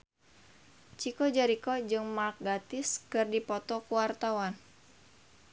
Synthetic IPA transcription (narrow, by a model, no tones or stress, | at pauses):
t͡ʃikɔd͡ʒaɾikɔd͡ʒɨŋmak̚ɡat̪ɪskɨrdipɔt̪ɔkuwart̪awan